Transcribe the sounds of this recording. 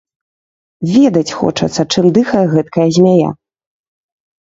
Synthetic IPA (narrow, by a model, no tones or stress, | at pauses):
vʲɛd̪ɐt͡sʲxɔ̰t͡ʂɐ̰t̪sːɐt͡ʂɨmd̪ɨxɐjɛɣɛt̪kɐjɐzʲmʲaja̰